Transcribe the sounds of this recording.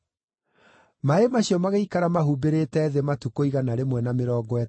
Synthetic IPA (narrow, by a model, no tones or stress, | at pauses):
maemaɕijɔmaɣaikaɾamaɦubeɾetɛðematukoiɣanaɾemwɛnameɾɔːɡɔɛ